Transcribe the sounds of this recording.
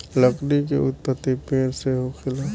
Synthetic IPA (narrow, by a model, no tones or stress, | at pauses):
ləknik̬ḛʊ̰t̪̚pət̪ːipeːɾseɦokʰɪlaː